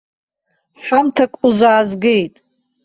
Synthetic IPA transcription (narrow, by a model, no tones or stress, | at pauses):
ħamtʰakʷʼuzaːzɡejtʼ